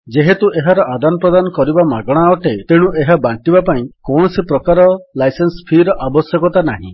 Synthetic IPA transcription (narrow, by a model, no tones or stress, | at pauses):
d͡ʒeɦet̪uʔeɦaɾɔʔad̪anɔpɾɔd̪anɔkɔɾibamaɡɔɽ̃aɔʈet̪eɽ̃ũʔeɦabaɳʈibapaĩkɔwɳ̃ɔsipɾɔkaɾɔlajsenspʰiɾɔʔabɔsjɔkɔt̪anaɦḭ̃